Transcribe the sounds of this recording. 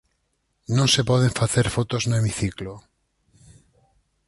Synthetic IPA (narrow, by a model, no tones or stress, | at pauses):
nõŋsepɔð̞eɱfaθeɾfot̪oznoemiθiklo